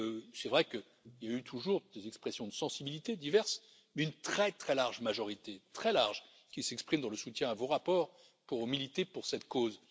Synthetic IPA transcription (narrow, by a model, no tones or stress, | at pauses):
sɛvʁɛkə | iljayt̪ʰuʒuʁd̪ezɛkspχɛsjɔ̃d̪əsɑ̃sibilit̪ed̪ivɛʁs | mɛynt̪χɛt̪χɛlaʁʒmaʒɔʁit̪et̪χɛlaʁʒ | kʲilsɛkspχimd̪ɑ̃ləsut̪jɛ̃avoʁapɔːʁ | puʁomilit̪epuʁsɛt̪koz